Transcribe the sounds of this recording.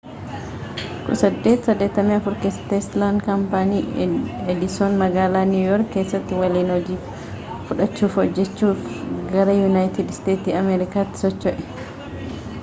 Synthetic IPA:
kʊ̰sɐd̪ːe̞ːt̪sɐd̪ːeːt̪ːɐmiːɐfʊɾkest̪eːslaːnd̪kɐmpaniːɛd̪ɪsoːnmɐɡaːlaːnuːjɔɾkkeːsːɐt̪ːɪwɐliːnɔd͡ʒiː | fʊᶑɐt͡ʃːuːfhɔd͡ʒːɛt͡ʃːuːfɡɐɾɐjʊnajt̪ɪd̪st̪eːt̪iːɐmɛːɾɪkaːt̪ːɪ̥sɔt͡ʃːɔʔɛ̥

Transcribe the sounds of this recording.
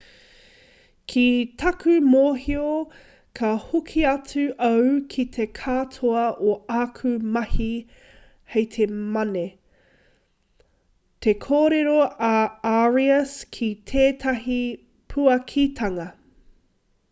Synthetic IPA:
kʰit̪ʰɐkʰʉmoːɦio | kʰɐhukʰiɐt͡sʉʔɐwkʰit̪ʰe̞kʰaːtʰoɐʔoaːkʰʉmɐhi | hejt̪ʰemɐne | t̪ekʰoːɾeɾoɐaɹiɐskʰit̪ʰeːt̪ʰɐɦi | pʰuɐkʰit̪ʰɐŋɐ

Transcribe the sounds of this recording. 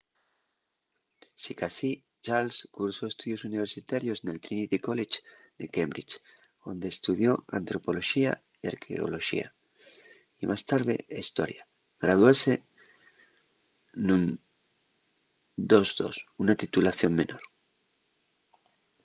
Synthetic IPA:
sikasi | t͡ʃalskuɾso̞est̪uðjo̞suniβ̞e̞ɾsit̪aɾjo̞sne̞lt̪ɾinit̪iko̞let͡ʃ | d̪e̞kembɾit͡ʃ | o̞nd̪e̞ːst̪uðjo̞a̰nt̪ɾo̞po̞lo̞ʃia̰ | ia̰ɾkʰḛo̰lo̞ʃḭa̰ | imʔast̪aɾðe̞̰aist̪o̞̰ɾja | ɣɾað̞wase̞ | nũn | d̪o̞zðo̞̰sunat̪it̪ulaθjo̞ŋmẽ̞nʔo̞ɾ

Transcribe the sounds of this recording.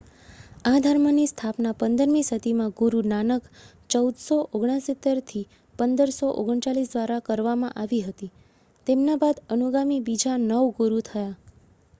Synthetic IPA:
ad̪ʱaɾmənist̪ʰapnapənd̪əɾmĩsət̪imãɡuɾunanək | t͡ʃəud̪soʔoɡɽ̃ãsit̪eɾt̪ʰi | pənd̪əɾsoʔo̰ɡəɳ̃t͡ʃalisd̪ʋaɾakəɾʋamã̰ʔaʋiɦət̪i | t̪emnabad̪ənuɡamibid͡ʒanəʋɡuɾut̪ʰəja

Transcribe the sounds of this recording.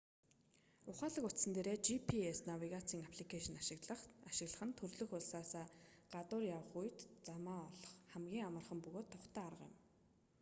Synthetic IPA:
ʊχaːɮə̆kʊt̪sə̆nt̪eːɾeːt͡ɕipʰiesnawiɣat͡siːŋapʰɮikʰaʃɪ̆naʃɪɮə̆χaʃɪ̆ɣɮə̆χə̆nt̪ʰɵrɮɵ̆xʊɮsaːsaːɢ̥at̪ʊːrjawə̆χujʰt̪t͡samaːɔɮɞ̆χχæmɡʲiːŋamə̆rχə̆mpɵɣoːt̪ʰːɔχt̪ʰæːarə̆ʁjɪ̰̆m

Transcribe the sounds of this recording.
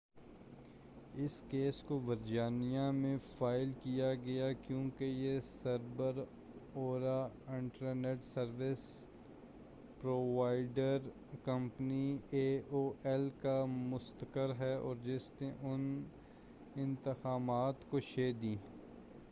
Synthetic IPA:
ɪskeːskoʋəɾd͡ʒaːnijãmẽfaːɪlkijaɡɐjakjõːkejesəɾbəɾ | oːɾaɪ̃ɳʈəɾneːʈsəɾʋɪs | pɾoːʋaːɪɖəɾ | kə̃mpnieːoːʔɛlkamʊst̪əkəɾɦɛɔːɾd͡ʒɪsneʔʊn | ɪ̃nt̪ɪxaːmaːt̪koʃeːd̪ĩː

